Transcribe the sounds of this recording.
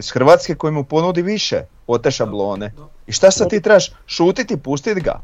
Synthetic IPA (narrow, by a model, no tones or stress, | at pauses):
sxr̩ʋat̪skeko̞jimupo̞nud̪iʋiʃḛ | o̞t̪eʃablˠo̞ːneiʃt̪asat̪iːt̪ɾebaʃʃuːt̪it̪ipust̪id̪ɡa̰